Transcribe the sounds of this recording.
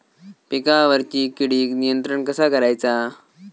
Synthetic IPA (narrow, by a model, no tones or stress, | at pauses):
pekaʋəɾt͡ɕiːkiɽiːknijənt̪ɾəɳkəsakəɾajt͡sa